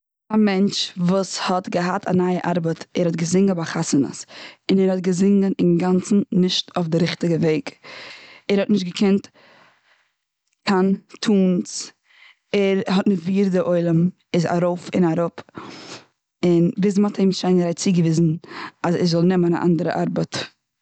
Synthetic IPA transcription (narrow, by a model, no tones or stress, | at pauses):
amɛnt͡ʃvuːshɔtɡəɦatʰa̰naːəʔaɾbətɛɾhɔtɡəzɪŋɡəbaχasənə̰sɪnɛɾhɔt̚ɡəzɪŋɡənɪnɡant͡sn̩nɪʃtofdɪɾɪχtɪɡəveɪɡ | ɛɾhɔtnɪʃt̚ɡəkʰɛnt | kʰantʰuːns | ɛɾhɔtnɪʃtviːɾdɪʔoɪlˠəm | ɪza̰ɾoʊfɪ̰naɾʊp | ɪnvɪznmatʰhemʃaɪnɾaɪt͡siɡəvɪzn̩azɛ̰ɾzɔlˠnɛməna̰ʔa̰ndəɾə̰ʔaɾbət